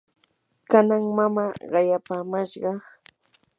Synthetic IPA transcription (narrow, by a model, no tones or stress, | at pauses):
kanaŋmamaːɢɑjapaːmaʃɢɑ